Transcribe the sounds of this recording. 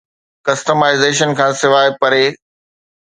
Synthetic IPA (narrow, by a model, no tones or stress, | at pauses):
kɐsʈəmaːɪzeːʃ̬ənkʰãːsɪʋaːɪpɐɾeː